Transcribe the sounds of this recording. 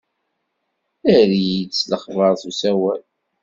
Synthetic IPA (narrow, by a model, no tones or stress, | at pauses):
əɾjit͡sːləχvəɾˤθusæwæl